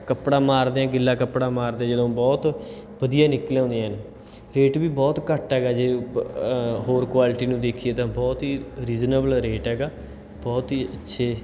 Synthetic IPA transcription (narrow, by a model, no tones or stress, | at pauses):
kəpɽãːmaːɾd̪eãːɡɪlːaːkəpɽãːmaːɾd̪eãd͡ʒəd̪õːbɔːt̪ | bəd̪ijaːnɪklej̃ːnd̪ejãːɦn | ɾeːʈbiːbɔːt̪kəʈɦɛːɡaːd͡ʒeː | ɦoːɾkwaːlɪʈiːnũːd̪eːkʰijeːt̪ãːbɔːt̪ɦiːɾiːznəbəlɾeːʈɦɛːɡaː | bɔːt̪ɦiːətːʃʰeː